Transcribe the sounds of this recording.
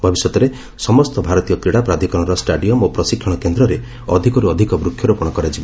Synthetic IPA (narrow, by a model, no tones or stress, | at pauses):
bʱɔbisɔt̪ɔɾe | sɔmɔst̪ɔbʱaɾɔt̪ijɔk̪ɾiɽapɾad̪ʱikɔɽ̃ɔɾɔsʈaɖijɔmopɾɔsikʰːɔɽ̃ɔkend̪ɾɔɾe | ɔd̪ʱikɔɾuɔd̪ʱikɔbɾukʰːjɔɾupuɽ̃ɔkɔɾad͡ʒibɔ